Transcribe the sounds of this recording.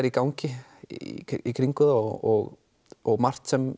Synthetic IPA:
ɾikawɲcɪ | ikʰɾiŋkʏðaɔɣ | ɔɣmar̥t̪sɛm

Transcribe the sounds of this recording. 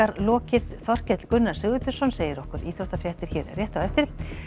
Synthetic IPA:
aɾlɔːcɪðθɔr̥cɛt̪l̥kʏnːaɾ̥sɪɣʏt̪ʏ̥sɔnseːjɪɾɔhkʏɾḭːθɾowht̪afɾjɛht̪ɪɾ̥çɛːɾrjɛːht̪aɛft̪ɪɾ̥

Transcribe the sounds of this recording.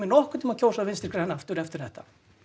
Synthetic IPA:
ɪnɔhkʏt̪ɪmaðcʰoːwsaðvɪnst̪ɪ̥ɾ̥kɾaɛnːaft̪ʏɾɛft̪ɪɾ̥θɛht̪ḁ

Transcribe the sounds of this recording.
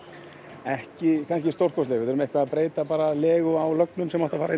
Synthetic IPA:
ɛhcɪkʰans̬cɪst̪owr̥kʰɔst̪lɛːɣvɪðɛɾmɛhkvaðapɾeːjt̪apaːɾalɛːɣʏawlœk̚nʏmsɛmawht̪afaːɾai

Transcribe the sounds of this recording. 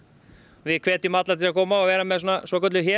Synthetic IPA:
vɪkʰvɛːt̪ɪʏmat̪laɾt̪ʰɪlakʰɔːmaɔvɛːɾamɛðsɔːnasɔːkɔɾt̪lɪçɛ

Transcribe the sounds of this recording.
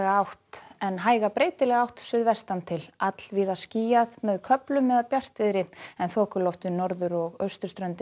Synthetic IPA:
ɣawht̪ɛnɦaːjɣapɾeːjt̪ɪlɛɣawht̪svɪðvɛr̥st̪ant̪ʰɪlat̪l̥viːðasciːjaðmɛðkʰœplʏmːɛðaðpjar̥t̪vɪðɾɪɛnθɔːkʏlɔft̪ɪnɔɾðʏɾɔɣœɥst̪ʏɾ̥st̪ɾœɥnt̪ɪ

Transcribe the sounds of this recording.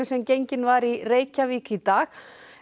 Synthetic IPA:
ʏsɛmcejɲcɪnvaɾireːjcaviːkɪit̪aːx

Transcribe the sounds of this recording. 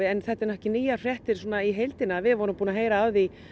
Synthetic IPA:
ɪɛnθɛht̪ːɪɾnɔhcɪniːjar̥jɛht̪ɪɾ̥swɔnaiɦejlt̪ɪnaːvɪðvɔɾʏmpuːnaɦeːjɾaawði

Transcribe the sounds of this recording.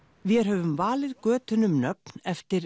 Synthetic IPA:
vɛð̥ɦœːvʏmvaːlɪðkœːt̪ʏnʏmnœp̚n̥ɛft̪ɪɾ

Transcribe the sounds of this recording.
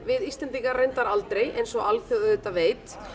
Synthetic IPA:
vɪðist̪lɛnt̪iŋkaɾrːejnt̪aɾalt̪ɾejejnsɔɣalfjɔwðʏðɛt̪aveːjt̪

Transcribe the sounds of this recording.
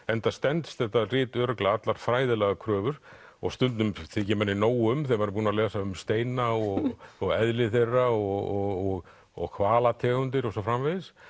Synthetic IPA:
ɛnt̪ast̪ɛnt̪sθɛht̪arɪːt̪œːɾœklaat̪laɾ̥fɾaːjðɪlɛɣakʰɾœːvʏɾ̥ɔ̰ɣst̪ʏnt̪nʏmθɪcɪmɛnːɪnoːwʏmθɛmaɾp̬uːnalɛːsaʏmst̪eːjnaɔɣɣɔɣɛðlɪθejrːaɔɣɔɣɔɣ | ɔ̰ɣkʰvaːlat̪ʰɛːɣʏnt̪̬ɪɾɔsɔfɾamvejðɪs

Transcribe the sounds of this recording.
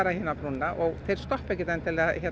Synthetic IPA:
ɾahiːnapɾunːaʔɔɣθejɾ̥st̪ɔhpɛjc̬ːɪt̪ɛnt̪ɪlɛaçɛ

